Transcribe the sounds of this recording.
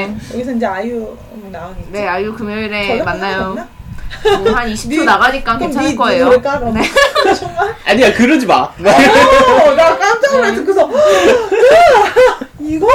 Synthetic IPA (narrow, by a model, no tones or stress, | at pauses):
jjʌɡisʰʌind͡ʑe̞aju | naonene̞ajukɯmjoiɾemanːajoa | haniɕʰi̥pʰonaɣaɲik͈akent͡ɕʰanakʌejooɭk͈akɯɾʌt͡ɕʌŋmaɭaɲiakɯɾɯd͡ʑima | nak͈amtʰeɯaɭtʰɯk͈ɯsʰʌ | iɡʌ